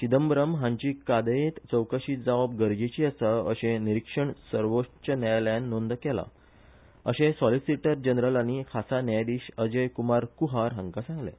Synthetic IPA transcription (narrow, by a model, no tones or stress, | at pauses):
ɕid̪əmbɾəmɦãɲt͡ɕiːkad̪əjet̪t͡səwkəɕiːd͡zaʋab̚ɡəɾd͡ʑet͡ɕiəsəəɕẽniɾikʂəɳsəɾʋot͡ɕənajljãnːond̪kɛla̰ | ə̰ɕẽsɔlisiʈəɾd͡ʑənɾəlanikʰasanjajd̪iːɕəd͡ʑəjkumaɾkuɦaɾɦə̃ŋkasãŋɡlḛ̃